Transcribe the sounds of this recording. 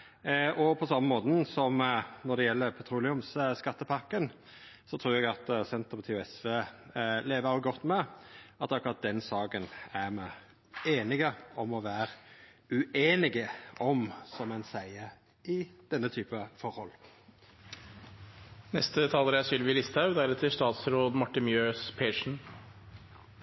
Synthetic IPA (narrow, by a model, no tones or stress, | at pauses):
ʔɔpʰɔsɑmːəmoːt̪n̩sɔmnɔɾd̪ɛjɛlːəɾpʰɛt̪ʰɾuːlɪʉmsskɑt̪ːəpʰɑɾkːən | sɔt̪ʰɾuːɾɛɡɑt̪sɛnt̪əmɔt̪ʰeːʊɛsʋeːleːʋəɾɑlɡɔt̪ːmɛɑt̪ːɑkːʊɾɑt̪̚d̪ɛnsɑːɡənæɾmæ | eːnɪɡəɔmɔʋæːɾʉeːnɪɡəɔmsɔmɛnsæɪəɾ | ɪd̪̥ɛnːət̪ʰyːpəfɔɾhɔlː | nɛst̪ət̪ʰɑːləɾɛɑsyːlʋɪlɪst̪ʰɑʉd̪æɾɛt̪ʰːɪʂt̪ɑːt̪sɾoːd̪mɔʈːɪnmjøːspʰeːʂɳ̩